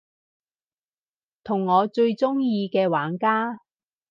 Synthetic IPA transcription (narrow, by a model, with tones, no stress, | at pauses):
t̪ʰʊ˨˩ŋːɔː˨˧t͡ʃɵ˧ɥt͡sʊ˥ŋjiː˧kɛː˧waː˨˥nkaː˥